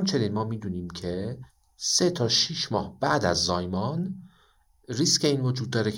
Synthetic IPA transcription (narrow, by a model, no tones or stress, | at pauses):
mt͡ʃʰe̞ninmɒːmiːd̪uːniːmcʰe | se̞t̪ʰɒːʃiʃmɒːhb̥æʔd̪æ̰zːɒːjmɒn | ɾiscʰeinvod͡ʒuːd̪̚ːɒːɾe